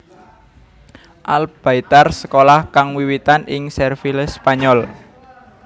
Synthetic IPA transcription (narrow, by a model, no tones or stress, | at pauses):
ʔalb̥a̤it̪arsə̥kolahkaŋwiwit̪anʔɪŋsɛrfilspaɲɔl